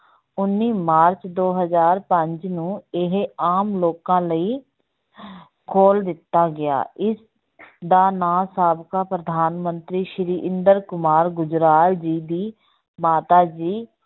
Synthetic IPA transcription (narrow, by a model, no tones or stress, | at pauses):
ʊnːiːmaːɾt͡ʃd̪oːɦəzaːɾpəɲd͡ʒnũːɪɦaːmloːkãːləiː | kʰoːld̪ɪt̪ːaːɡɪa̰ːɪs | d̪aːnaːsaːbkaːpɾəd̪ʱaːnmənt̪ɾiːʃɾiːʔɪnd̪əɾkʊmaːɾɡʊd͡ʒɾaːld͡ʒiːd̪iː | maːt̪aːd͡ʒiː